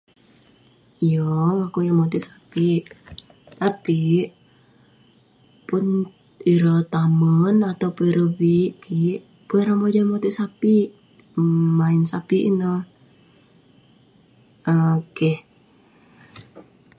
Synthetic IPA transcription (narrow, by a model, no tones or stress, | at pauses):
ijɔŋakujamot̪iʔsḁpiʔ | t̪api | pʊn | iɾət̪amənat̪awpuɛɾəbiʔkʰiʔ | puɛɾəmod͡ʒamot̪iʔsapiʔ | mainsapiʔḭnə | əkɛh